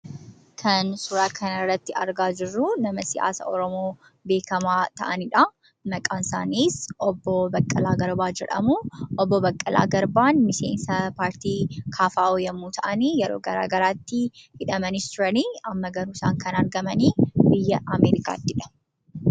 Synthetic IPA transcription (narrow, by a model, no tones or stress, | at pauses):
kʰɐnsʊɾaːkʰɐnɐrːɐt̪ːɪɐɾɡaːd͡ʒɪrːunɐmɐsɪ̰ja̰ːsɐ̰ɔɾɔmoː | be̞ːkɐmaːt̪ɐʔɐnɪᶑɐ | mɐkʼaːnsa̰ːniːsʔɔbːobɐkʼːɐlaːɡɐɾbaːd͡ʒɛᶑɐ̰muʔɔbːɔbɐkʼːɐlʔa̰ːɡɐɾbaːnmɪsḛːnsɐpaːɾt̪iːkʰaːfaːoːjɐmuːt̪ʰɐʔɐniːjɛɾo̰ːɡɐɾa̰ːɡɐɾaːt̪ːɪhɪᶑɐmɐnɪst̪ʊɾɐniːɐmːɐɡɐɾuːsa̰ːŋkʰɐnɐɾɡɐmɐniːbɪjːɐʔɐmeːɾɪka̰ːt̪ːɪᶑɐ̥